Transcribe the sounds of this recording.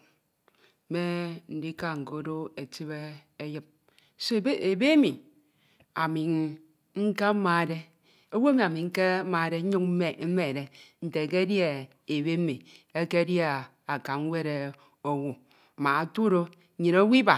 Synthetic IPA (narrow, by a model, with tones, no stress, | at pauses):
me˦n̩˨di˦ka˦ŋ̩˨ko˨˦do˦e˨ti˦βe˦ | e˦ji˦p̚ | so˦˨˦e˨be˦e˦mi˨ | a˨mi˨ŋ | ŋ̩˦ka˦ma˨de˦ | o˦wo˦mi˨a˨mi˨ŋ̩˦ke˦ma˨de˦ɲu˦k̩˦me˨˦me˦˨de˦n̩˨te˨ke˦dja˦˨ | e˨be˦mi˨ | e˦ke˦dja˦ | a˨ka˨ŋ˦we˦ɾe˨ | o˦wu˨ | ma˨a˨tu˦ɾo˦˨ | ɲi˨no˦wi˦ba˨